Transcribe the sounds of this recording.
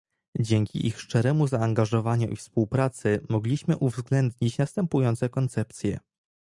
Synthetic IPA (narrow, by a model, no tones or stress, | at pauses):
d͡ʑɛŋkʲḭʔixʂt͡ʂɛɾɛmuzaːŋɡaʐɔvaɲuʔifspuwpɾat̪sɘmɔɡlʲiɕmɘʔuvzɡlɛnd̪ɲit͡ɕnast̪ɛmpujɔnt̪sɛkɔnt̪sɛp̚t̪sʲjɛ̰